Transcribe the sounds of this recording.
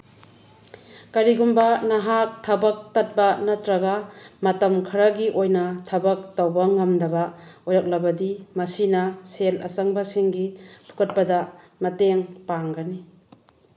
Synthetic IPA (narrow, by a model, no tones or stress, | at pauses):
kɐɾiɡumbɐnɐɦak̚tʰɐbɐk̚tɐt̚bɐnɐtɾɐɡamɐtɐmkʰiɾɐɡiʔojnɐtʰɐbɐk̚tawbɐŋɐmdɐbɐojɾak̚lɐbɐdimɐsinɐselɐ̰sɐŋbɐsiŋɡipʰu̥kɐt̚pɐdɐ | mɐteŋpaŋɡɐni